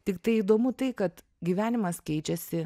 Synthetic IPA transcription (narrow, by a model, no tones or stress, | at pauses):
t̪ʲɪkt̪ɐɪiːd̪oːmʊt̪ɐɪkɐt̪ | ɡʲiʋʲæːnʲɪmɐskʲɛɪt͡ʃʲɛsʲɪ